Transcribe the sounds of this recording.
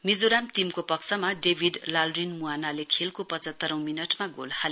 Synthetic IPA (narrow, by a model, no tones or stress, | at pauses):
mid͡zoɾamʈimkopʌksʰʌmaɖebʱiɖlalrinmuanalekʰelkopʌt͡sʌt̪ːʌɾʌ̃w̃minʌʈmaɡo̰lhal